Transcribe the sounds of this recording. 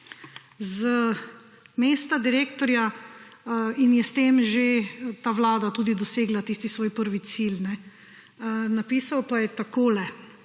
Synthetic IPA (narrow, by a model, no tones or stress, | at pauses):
zə | meːst̪ad̪iɾeːkt̪ɔɾja | injɛst̪eːmʒet̪aːʋlaːd̪at̪uːd̪id̪ɔseːɡlat̪iːst̪isʋoːjpəɾʋit̪silnɛ | napiːsawpajɛt̪akoːlɛ